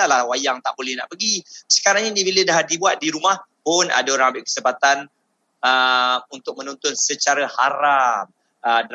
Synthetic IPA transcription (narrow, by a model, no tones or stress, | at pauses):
alahwajaŋt̪a̰ʔbolɛhna̰ʔpəɡisə̥kaɾaŋɲanibilədahdibuat̪̚diɾumahpʊnʔa̰daoɾaŋambɪʔkə̥səpat̪an | əmunt̪ʊk̚mə̃nɔ̃nt̪ɔnsət͡ʃaɾahaɾam | əd